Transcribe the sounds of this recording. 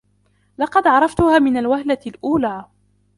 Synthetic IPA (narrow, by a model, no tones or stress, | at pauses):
lɑqɑd̪ʕɑɾˤɑft̪ʊhaːmɪnalwahlalʔuːlaː